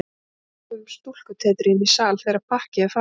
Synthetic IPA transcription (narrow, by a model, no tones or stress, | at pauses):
ʏmst̪ul̥kʏt̪ʰɛːt̪ɾɪnisaːlθɛjɾapʰahcɪafa